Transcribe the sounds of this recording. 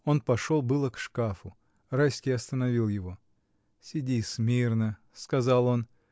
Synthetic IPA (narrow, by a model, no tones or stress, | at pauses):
o̞npɐʂo̞lˠbɨlˠəkʂkafʊ | rajsʲkʲɪjɐst̪ənɐvʲilˠjɪvo̞ | sʲɪdʲismʲirnə | skɐzalˠo̞n